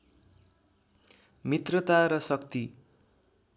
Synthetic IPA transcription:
mit̪rʌt̪aɾʌsʌkt̪i

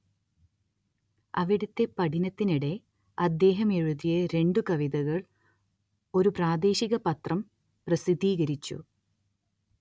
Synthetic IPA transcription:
ɐʋiɽut̪ːe̞pɐʈinɐt̪ːiniɽe̞ | ɐd̪ːe̞ːɦɐme̞ɻuðijɐɾe̞ɳɖukɐʋiðɐɣɐɭ | o̞ɾupraːd̪e̞ːɕiɣɐpɐt̪rɐm | prɐsid̪iːɣɐɾit͡ɕːṵ

